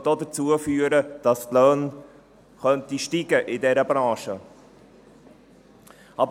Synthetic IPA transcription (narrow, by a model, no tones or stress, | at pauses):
dodət͡suəfyːəɾəd̥ɑstlœːn | χœntiʃtiːɡəʔɪdɛɾəbɾɑ̃ːʃə | ʔɑb